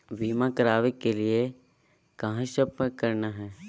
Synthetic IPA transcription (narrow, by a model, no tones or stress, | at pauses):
ʋiːmakəɾaːʋekːelie | kaɦãʃəpkɐɾnaɦɛː